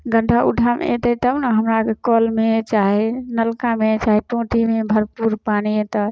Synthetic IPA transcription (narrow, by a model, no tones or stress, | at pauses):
ɡə̃ɳɖaʔṵɖʱam̰ḛt̪ɛt̪əbnəɦəmɾakekɔlmet͡ʃaɦenəlkamet͡ʃaɦɛʈõʈimebʱəɾpuɾpaniet̪ə